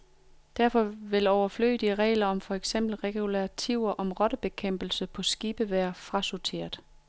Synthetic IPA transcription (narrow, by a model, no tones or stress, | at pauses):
d̥æɐfɒ̽ʋe̝lɒʊɐflø̰ːɪd̥iʁɛ̰ːlɐɒ̽mfɒ̽eɡ̥sem̰b̥l̩ʁɛɡ̥julæɐt͡sʰiʊ̰ɐʔɒ̽mʁɒ̽ɾ̥əb̥e̝kʰem̰b̥l̩səpʰɒ̽sɡ̥iːb̥əʋæːɐfʁɑ̈sot͡sʰe̝̰ːɐ̰d̥ˠ